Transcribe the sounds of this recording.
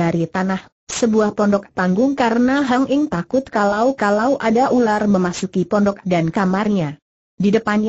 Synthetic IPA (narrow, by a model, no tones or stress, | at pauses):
aɾit̪anah | səbuahpɔndɔk̚t̪aŋɡʊŋkaɾənaɦaŋʔɪŋt̪akʊt̪̚kalawkalawʔadaʔularməmasukipɔndɔk̚dankamarɲa | didəpanɲ